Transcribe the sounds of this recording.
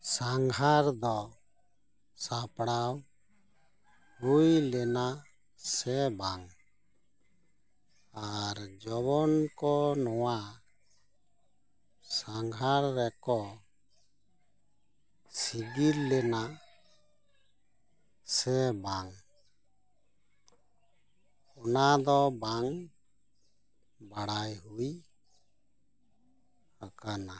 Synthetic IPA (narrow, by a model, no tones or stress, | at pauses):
saŋɦaɾd̪ɔ | sapɽaw | ɾujlɛna | sɛbaŋ | aɾd͡ʒɔβɔnkɔnɔwa | saŋɦaɾːɛkɔ | siɡillɛna | sɛbaŋ | ɔnad̪ɔbaŋ | baɽajɦuj | hakana